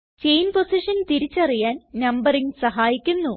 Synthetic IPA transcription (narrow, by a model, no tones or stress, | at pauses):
t͡ɕejnposiʂɐnt̪iɾit͡ɕːɐrijaːnnɐmbɐriŋsɐɦaːjikʲːunːu